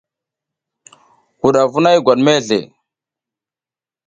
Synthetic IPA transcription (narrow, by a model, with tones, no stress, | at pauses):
ku˨ɗa˨vu˦na˦jɡʷa˨ɗme˦ɮḛ˨